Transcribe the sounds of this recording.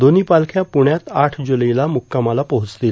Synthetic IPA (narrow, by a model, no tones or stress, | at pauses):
d̪oniːpalkʰjapuɳjat̪aʈʰd͡ʑuləjlamukːamalapəɦut͡slil